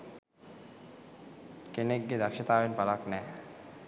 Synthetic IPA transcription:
keneɡːed̪akʃet̪abenpalaknɛ

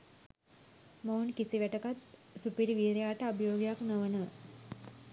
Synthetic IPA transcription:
məunkisiʋæʈəkat̪supiɾiʋiːɾjaːʈəabəjoːɡejaknəʋənəʋə

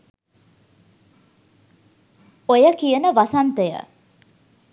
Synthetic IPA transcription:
ojəkijənəʋasant̪əjə̰

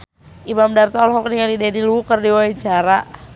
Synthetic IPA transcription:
ʔimamdart̪ɔlɦɔk̚niŋalidenilukərdiwait͡ʃaɾa

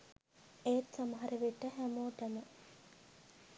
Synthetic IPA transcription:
eːt̪saməɦɐɾeʋeʈːəɦæmoːʈɐmə

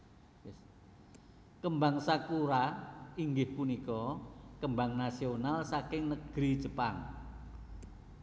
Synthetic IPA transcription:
jɛs | kəmbaŋsakuɾaiŋɡɪhpunikɔkəmbaŋnasionalsakɪŋnəɡ̥ɾid͡ʒəpaŋ

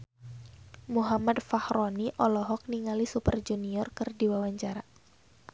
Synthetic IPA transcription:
muɦamadfahɾɔniʔɔlɔɦɔk̚niŋalisupərd͡ʒuniɔrkɨrdiwawaɲt͡ʃaɾa

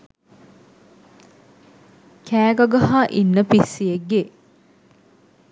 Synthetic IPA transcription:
kʰæːɡɐɡɐɦaːʔinːəpisːijeɡe

